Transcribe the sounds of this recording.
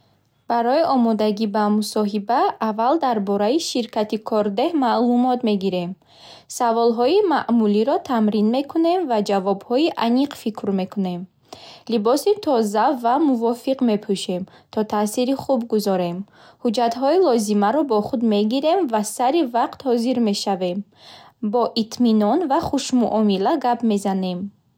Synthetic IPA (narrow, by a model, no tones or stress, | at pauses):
b̥aɾɔjiʔɔmɔd̪aɡibamusɔɦibaːvald̪aɾbɔɾaiʃiɾkʰat̪ikʰɔɾd̪e̞hmalumɔt̪me̞ɡiɾe̞m | savɔlɦɔimaʔmuliɾɔt̪ʰamɾinme̞kʰune̞mvad͡ʒavɔbhɔiʔaniqfikʰɾme̞kʰune̞m | libɔsit̪ʰɔzavamuvɔfiqme̞pʰuʃe̞m | t̪ʰɔt̪ʰasiɾiχubɡuzɔɾe̞m | hud͡ʒat̪ɦɔilɔzimaɾɔbɔχud̪me̞ɡiɾe̞mvasaɾivaqt̪hɔziɾme̞ʃave̞m | bɔʔit̪ʰminɔnvaχuʃmuʔɔmilaɡapme̞zane̞m